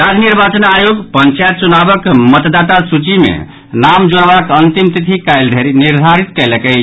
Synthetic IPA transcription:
ɾad͡ʒniɾbat͡ʃənajoɡpənt͡ʃajt̪̚t͡ʃunabəkmət̪d̪at̪asut͡ʃimḛ | namd͡ʒoɽbakənt̪imt̪it̪ʰikajld̪ʱeɾiniɾd̪ʱaɾit̪kɛləkə

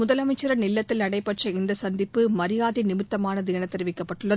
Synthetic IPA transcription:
ʊðɐlɐmɐɪt͡ʃːɪɾɐnɪlːɐt̪ːɪlnɐɽɐɪpːɐʈt͡ʃɐɪnd̪ɐsɐnd̪ɪpːɯmɐɾɪjaːðinɪmɪt̪ːɐmaːnɐðɪɐnɐt̪ːɛɾɪʋɪkːɐpːɐʈʈːɯɭːɐ

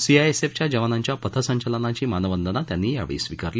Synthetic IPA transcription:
siajeseft͡ɕjad͡ʑəʋanaɲt͡ɕjapət̪ʰəsə̃ɲt͡ɕalənat͡ɕiːmanəʋənd̪ənat̪janːiːja̰ʋɭḭːsʋikaɾli

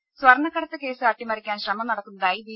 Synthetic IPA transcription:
sʋɐɾɐɳːɐkːɐɽɐt̪ːɨke̞ːsɨaːʈːimɐɾikʲːaːnɕrɐmɐmnɐɽɐtk̪ːunɐɖaːjiʋi

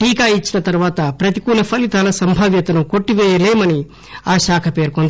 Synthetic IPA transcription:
ʈiːkaːit͡ʃːinɐt̪ɐɾuʋaːt̪ɐpɾɐt̪i̥kuːlɐpʰɐlit̪aːlɐsɐmbʱaːʋjɐt̪ɐnuko̞ʈːiʋɛːjɐleːmɐni | aːʃaːkʰɐpeːɾkond̪

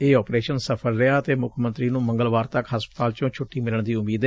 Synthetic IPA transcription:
eːɔːpɾeːʃənsəpʰəɾːɪaːt̪eːmʊkʰmənt̪ɾiːnũːmə̃ŋɡəlʋaːɾt̪əkɦəspət̪aːlt͡ʃõːt͡ʃʰʊʈːiːmɪləɳd̪iːʊmiːd̪ɛ

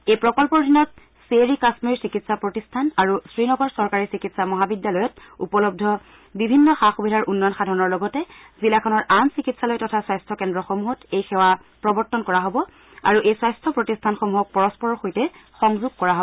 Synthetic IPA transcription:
ejpɹɔkɔlpɔɹdʱinɔt | seɹikasmiɹsikitsapɹotistʰanaɹusɹinɔɡɔɹsɔɹkaɹisikitsamɔɦabidjalɔjɔtṵpɔlɔb̚dʱɔ | bibʱinːɔxaxubidʱaɹʔunːɔjɔnxadʱɔɹɔnɔɹlɔɡɔtɛ | zilakʰɔnɔɹʔansikitsalojtɔtʰaswajstʰɔkɛndɹɔxomuɦɔtejxɛwa | pɹɔbɔɹtɔnkɔɹaɦobɔ | a̰ɹuʔejswajstʰɔpɹɔtistʰanxomuɦɔk̚pɔɹɔspɔɹɔɹxojtɛxɔŋzuɡ̚kɔɹaɦo

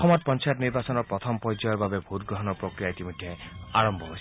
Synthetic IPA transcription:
ɔmɔt̪̚pɔnt͡ʃajt̪niɾbasɔnɔɾpɾɔt̪ʰɔmpɔjd͡ʒɔjɔɾbabebʱut̪ɡɾɔɦɔnɔpɾokɾijait̪imɔd̪ʱjaaɹɔmbʱɔɦojs

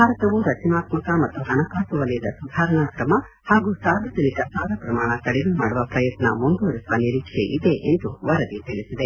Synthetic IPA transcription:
bʱaːɾɐt̪ɐʋuɾɐt͡ʃinaːt̪mɐkɐmɐt̪ːuɦɐɳɐkaːsuʋɐljɐd̪ɐsud̪ʱaːɾɐɳaːkɾɐmɐ | haːɡusaːɾʋɐd͡ʒɐnikɐsaːɾɐpɾɐmaːɳɐk̪ɐɽeɡumaːɽuʋɐpɾɐjɐt̪na̰mund̪uʋɾisʋɐniɾiːkʂḛʔid̪e̞ʔḛnd̪uʋɐɾɐd̪it̪eɭisid̪e

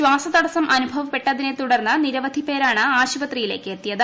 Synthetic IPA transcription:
ɕwaːsɐt̪ɐɽɐsɐmʔɐnubʱɐʋɐpːe̞ʈːɐðinet̪uɽɐrnːɨniɾɐʋɐd̪ʱipe̞ːɾaːɳɨaːɕubɐt̪rijile̞ːkːeːt̪ːijɐðɨ

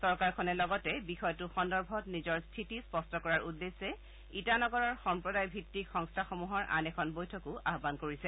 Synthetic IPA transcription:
sɔɹkaɹkʰɔnɛlɔɡɔtɛbixɔjtuxɔndɔɹbʱɔtnizɔɹstʰitispɔstɔkɔɹaɹudːesɛ | itanɔɡɔɹɔɹxɔmpɹɔdajbʱitːikxɔŋstʰaxɔmuɦɔɹʔa̰nɛkʰɔnbojtʰɔkʊʔaɦbankoɹisɛ

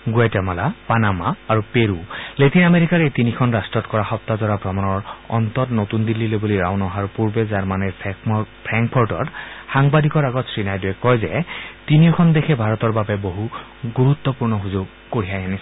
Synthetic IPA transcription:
ɡuetɛmalapanamaːɹupeɹuletinameɹikaɹetinikʰɔnɹastɔtkɔɹaxɔp̚t̪azɔɹabʱɹɔmɔnɔɹɔ̰nt̪ɔtnotundilːiloboliɹawnɔɦaɹpuɹbɛzaɹmanɛppʰɹaŋk̚pʰɔɹtɔ̰txaŋbadikɔɹaɡɔtsɹinajdujɛkɔjzɛtinijɔkʰɔndexʰɛbʱaɹɔtɔɹbabɛboɦu | ɡuɹut̪ːɔpuɹnɔɦuzʊɡ | koɹijajanis

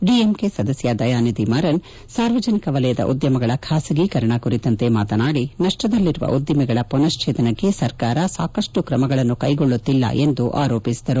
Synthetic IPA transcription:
ɖiemke̞sɐd̪ɐsjɐd̪ɐjaːnid̪imɐɾɐn | saːɾʋɐd͡ʒɐnikɐʋɐlɐjɐd̪ɐ̰ʔṵd̪jɐmɐɡɐɭɐkʰaːsɐɡikɐɾɐɳɐkuɾit̪ɐnt̪e̞maːt̪ɐnaːɽinɐʂʈɐd̪ɐlːiɾuʋɐ̰ʔud̪jɐmɛɡɐɭɐpɔnɐst͡ʃʰeːt̪ɐnɐkːe̞sɐɾkaːɾɐsaːkɐʂʈukɾɐmɐɡɐɭɐnːukɐjɡoɭːut̪ːilːɐ̰ʔe̞nd̪uʔa̰ːɾoːpisi̥d̪ɐɾu

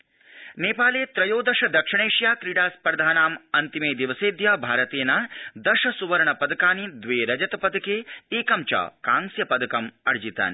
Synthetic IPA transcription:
neːpaːleːt̪ɾɐjoːd̪ɐʂɐd̪ɐkʂɐɳeːʂjaːkɾiɽaːspɐɾɐd̪ʱaːnaːmɐnt̪imeːd̪iʋɐseːd̪jɐbʱaːɾɐt̪eːnɐd̪ɐʂɐsuʋɐɾɳɐpɐd̪ɐkaːnid̪ʋeːɾɐd͡ʒɐt̪ɐpɐd̪ɐkeːeːkɐmt͡ʃa̰ːkaːŋsjɐpɐd̪ɐkɐmɐɾd͡ʒit̪a̰ːni

